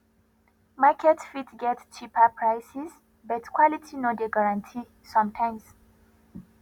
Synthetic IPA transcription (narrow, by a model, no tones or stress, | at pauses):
makʰɛtfitɡɛtt͡ʃipapʰɹajsiz | bɔtkʰwɔlitʰinodeɡaɹãntʰi | sɔ̃mtʰãj̃ms